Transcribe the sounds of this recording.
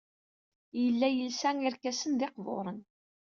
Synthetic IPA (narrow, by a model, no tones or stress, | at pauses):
jəlːæjəlsæŋiɾkæsənðeqvo̰ɾˤən